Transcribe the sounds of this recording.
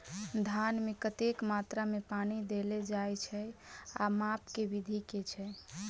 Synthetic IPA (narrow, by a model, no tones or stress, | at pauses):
d̪ʱanmekət̪ekmat̪ɾamepanid̪eled͡ʒajt͡ʃʰɛa̰mapkebid̪ʱiket͡ʃʰɛ